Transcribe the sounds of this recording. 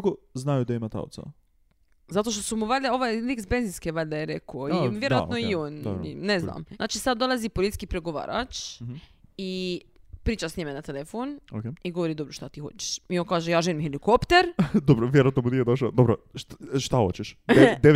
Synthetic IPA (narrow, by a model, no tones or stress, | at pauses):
koznajud̪aimat̪a̰o̰t̪sa̰ | zat̪oʃ̬t̪osumuʋaʎʲd̪ao̞ʋajliksbenzinskeʋaʎʲd̪ajeɾekooionʋjeɾoanoionɾnezna̰ːma̰ːt͡ʃisad̪ːo̞lˠazipolit̪i̥kipɾeɡoʋa̰ːɾʔa̰t͡ʃ | i | pɾiːt͡ʃasɲimenat̪elefonokeiɡoʋoɾid̪o̞bɾoʃt̪at̪iːxo̞̰t͡ɕe̥ʃmionkaːʒejaːʒelimhelikopt̪eɾd̪obɾoʋjeɾat̪nomunijed̪oʃad̪obɾoʃt̪axo̰t͡ɕeʃd̪e